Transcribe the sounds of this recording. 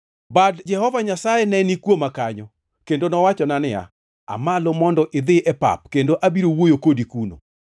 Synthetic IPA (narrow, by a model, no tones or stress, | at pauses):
badd͡ʒɛhɔvaɲasajɛnɛnikwomakaɲɔ | kendonɔwat͡ʃɔnanɪa̰ | a̰malomɔndɔʔɪd̪ɪʔɛpa̰p̚kendoʔabiɾowojokodikuno̰